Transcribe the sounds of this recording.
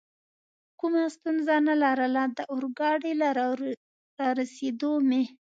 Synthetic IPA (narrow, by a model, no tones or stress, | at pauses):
kumast̪unzanalaɾəlad̪əʔʊɾɡɑɽela | ɾɑɾased̪ome